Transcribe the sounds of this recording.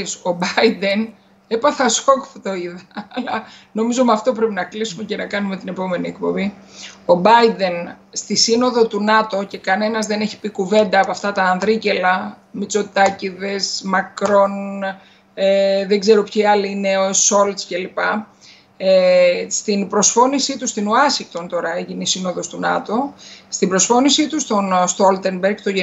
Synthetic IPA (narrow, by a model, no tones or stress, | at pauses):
so̞bɐid̪e̞n | epɐθɐsokft̪oiðɐːlɐno̞mizo̞ɐmɐft̪o̞p̬ɾe̞pinɐklisume̞ce̞nɐkɐnumet̪ine̞po̞me̞nie̞k̚po̞bio̞bɐjd̪e̞n | st̪isino̞ðo̞t̪unɐt̪o̞ce̞kɐne̞nɐzðe̞ne̞çi̥pikuve̞nd̪ɐːpoɐft̪ɐt̪ɐːnðɾice̞lɐmit͡so̞t̪ɐciðe̞szmɐkɾo̞n | eðeɡze̞ɾopçiɐliine̞oso̞lt̪sce̞lipɐ | est̪inpɾo̞sfo̞nisit̪ust̪inuɐsiŋk̚t̪o̞nt̪o̞ɾɐeʝinisino̞ðo̞st̪unɐt̪o̞st̪ibɾo̞sfo̞nisit̪ust̪onst̪olt̪e̞nbeɾɡt̪o̞ʝe